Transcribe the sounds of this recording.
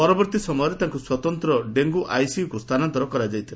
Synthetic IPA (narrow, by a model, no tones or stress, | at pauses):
pɔɾɔbɔɾt̪isɔmɔjɔɾet̪aŋkuswat̪ɔnt̪ɾɔɖeŋɡuʔʔajsiukust̪ʰanɔnt̪ɔɾɔkɔɾad͡ʒajt̪ʰila